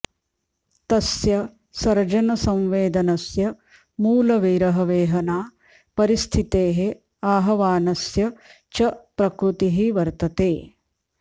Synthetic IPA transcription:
t̪ɐsjɐ | sɐɾd͡ʒɐnɐsɐ̃mʋeːd̪ɐnɐsjɐ | muːlɐʋiːɾɐɦɐʋeːɦɐnaː | pɐɾist̪ʰit̪eːɦe | aːɦɐʋaːnɐsjɐ | t͡ʃɐpɾɐkɾut̪iɦiʋɐɾt̪ɐt̪eː

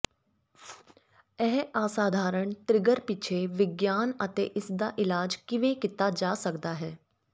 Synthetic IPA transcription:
ɛːɦaːsaːd̪ʱaːɾəɳt̪ɾɪɡəɾpɪt͡ʃʰeːʋɪɡjaːnət̪ḛːʔɪsd̪aːʔɪlaːd͡ʒkɪʋẽkɪt̪ad͡ʒaːsəkd̪aːɦɛː

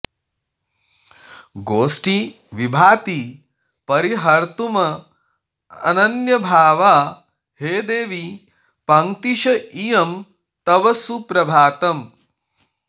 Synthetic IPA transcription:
ɡoːsʈi | ʋibʱaːt̪i | pɐɾiɦɐɾt̪umɐ | ɐ̰nɐnjɐbʱaːʋaː | heːd̪eːʋi | pɐŋt̪iʃɐijɐm | t̪ɐʋɐsupɾɐbʱaːt̪ɐm

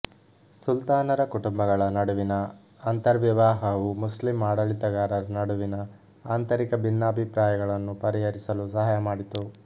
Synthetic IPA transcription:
sult̪aːnɐɾɐkuʈumbɐɡɐɭɐnɐɽuʋinɐː | nt̪ɐɾʋjiʋaːɦɐʋumuslimːaːɽɐlit̪ɐɡaːɾɐɾɐnɐɽuʋinɐ | aːnt̪ɐɾikɐbʱinːaːbʱipɾaːjɐɡɐɭɐnːupɐɾiɦɐɾisɐlus̬ɐɦaːjɐmaːɽit̪u

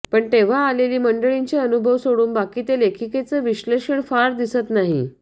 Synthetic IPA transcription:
pəɳt̪eʋ̤aːleliːməɳɖəɭiɲt͡ɕeənubʱəʋsoɽuːnbakiːt̪elekʰiket͡səʋiɕleʂəɳfaɾd̪isət̪naɦi

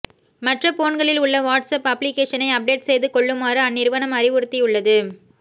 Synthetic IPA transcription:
mɐʈrɐpoːnɡɐɭɪlʊɭːɐʋaːʈsɐpɐpːlɪkeːʂɐnɐɪɐp̚ɖeːʈsɛjðɯkɔɭːɯmaːɾɯɐnːɪɾɯʋɐnɐmɐɾɪʋʊɾɯt̪ːijʊɭːɐðɯ

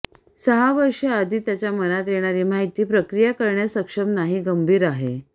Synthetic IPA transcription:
səɦaʋəɾʂead̪ʱiːt̪jat͡ɕjamənat̪jeɽ̃aɾiːm̤aɦit̪iːpɾəkɾijakəɾɳjasəkʂəmnaɦiːɡəmbʱiːɾaɦe

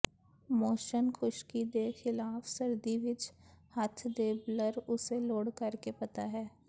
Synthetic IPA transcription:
moːʃənxʊʃkid̪eːxɪlaːfsəɾd̪iʋɪt͡ʃhɐt̪ʰd̪eːbləɾʊseloːɽkəɾkepɐt̪aɦɛː

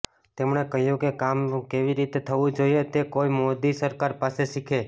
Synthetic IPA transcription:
t̪emɳ̃ekəɦjũkekamkeʋiɾit̪et̪ʰəʋũd͡ʒoiet̪ekoimod̪isəɾkaɾpaseʃikʰe

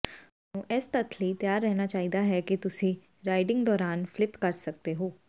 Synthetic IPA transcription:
nũːʔɛːst̪ət̪ʰləit̪jaːɾːɛɦnaːt͡ʃaːiːd̪aɦɛːkit̪ʊsĩː | ɾaːɪɖɪ̃ŋɡd̪ɔːɾaːnfʰlɪpkəɾsək̚d̪eɦoː

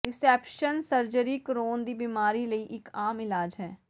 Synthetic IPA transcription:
ɪsɛːpʃənsəɾd͡ʒəɾikɾoːnd̪ibimaːɾilɐiʔɪkaːmɪlaːd͡ʒɦɛː

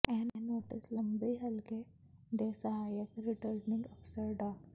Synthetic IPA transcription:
ɛ̃ːnenoːʈɪslɐmbiɦɐlke | d̪eːsəɦaːjəkɾɪʈəɾnɪ̃ŋɡɐfsəɾɖaːk

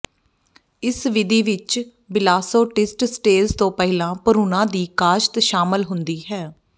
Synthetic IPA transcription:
ɪsʋɪd̪iːʋɪt͡ʃ | bɪlaːsoːʈɪsʈsʈeːlst̪õːpəɦɪlãːpəɾuːnãːd̪iːkaːʃt̪ʃaːməlɦʊnd̪iːɦɛː

